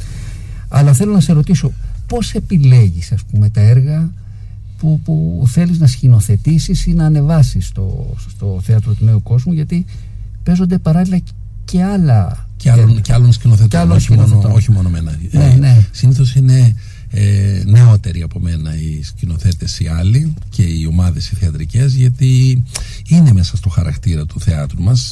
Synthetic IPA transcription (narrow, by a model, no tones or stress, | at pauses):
ɐ̰lɐθe̞lo̞nɐse̞ɾo̞t̪iso̞po̞se̞pile̞ʝisɐspume̞t̪ɐeɾɣɐ | pupuθe̞liznɐscino̞θe̞t̪isisinɐːne̞vɐsist̪o̰t̪o̞θeɐt̪ɾot̪une̞uko̞zmuʝɐt̪i | pe̞zond̪e̞pɐɾɐlilɐ | ce̞ɐlɐ | eɐonceɐlonscinoθet̪loinoçimo̞nomenɐnenesiniθo̞sine̞ | ne̞o̞t̪e̞ɾiɐpo̞me̞nɐiscino̞θe̞t̪e̞siɐlice̞io̞mɐðe̞siθeɐt̪ɾice̞zʝɐt̪i | ine̞me̞sɐst̪o̞xɐɾɐ̰kt̪iɾɐt̪uθe̞ɐt̪ɾumɐs